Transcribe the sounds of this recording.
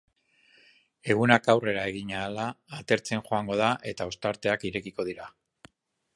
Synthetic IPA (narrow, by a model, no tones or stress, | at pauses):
e̞ɣ̞unakawre̞ɾae̞ɣ̞iɲaːlaːt̪e̞ɾt͡se̞nʝo̞aŋɡo̞ð̞aʔe̞t̪ao̞st̪aɾt̪e̞akiɾe̞kiko̞ð̞iɾa